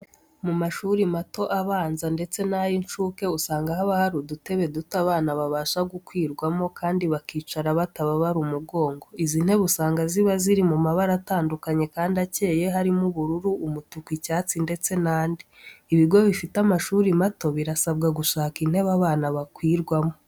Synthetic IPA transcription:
mumaʃuɾimato̞ʔaβaːnzande̞t͡se̞najint͡ʃuke̞usaːŋɡahaβahaɾudute̞βe̞dutaβaːnaβaβaːʃaɡukwiːɾɡwamo̞kʰaːndiβakiːt͡ʃaɾaβataβaβaɾumuɡo̞ːŋɡo̞izin̥he̞βusaːŋɡaziβaziɾimumaβaɾataːndukaɲe̞kaːndace̞ːje̞ɦaɾimuβuɾuɾuʔumutukwicaːt͡sinde̞t͡se̞naːndi | iβiɡo̞βifitamaʃuːɾimato̞βiɾasabɡaɡuʃaːkin̥he̞βaβaːnaβakwiːɾɡwamo̞

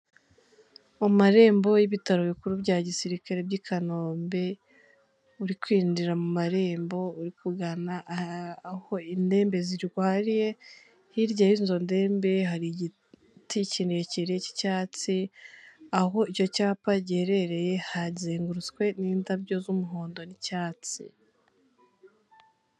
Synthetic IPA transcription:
omaɾe̞ːmbo̞jiβitaɾoβikuɾubɟaːɟisiɾikaɾe̞bɟikʰano̞ːmbe̞ | uɾikwiːndiɾamumaɾe̞ːmbo̞uɾikuɡana | ho̞inde̞ːmbe̞ziɾɡwaːɾije̞ | hiɾɟajinzo̞nde̞ːmbe̞ɦaɾiɟi | ticinijeciɾeci̥caːt͡si | aɦo̞ico̞caːpaɟeɾe̞ɾe̞je̞hazeːŋɡuɾut͡skwe̞niːndabɟo̞zumuɦoːndo̞nicaːt͡sḭ

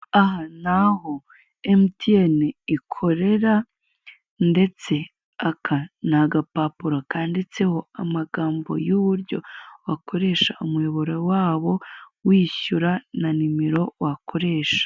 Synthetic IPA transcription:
aɦanaho | emtieniikʰo̞ɾe̞ɾa | nde̞t͡se̞ | akʰanaɡapapuɾokaːndet͡seho̞amaɡaːmbo̞̰juβuɾɟo̞̰wakʰo̞ɾe̞ːʃaumweβoɾowaːβo̞wiːɕuɾananimeɾo̞wakʰo̞ɾe̞ːʃḁ

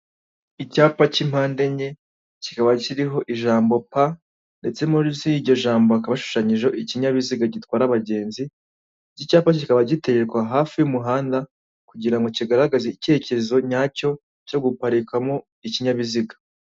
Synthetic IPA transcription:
icaːpacim̥haːnde̞ɲe̞ | cikaβaciɾiɦo̞ʔiʒaːmbo̞pa | nde̞t͡se̞moziɟo̞ʒaːmbo̞akaβaʃu̥ʃaɲiʒo̞ʔiciɲaβiziɡaɟitwaːɾaβaɟe̞ːnzi | ɟicaːpacikaβaɟitekwaɦaːfijumuɦaːnda | kuɟiɾaŋɡo̞ciɡaɾaɡazeice̞ːcezo̞ɲaːco̞ | co̞ɡupaɾikamo̞ | iciɲaβiziɡḁ

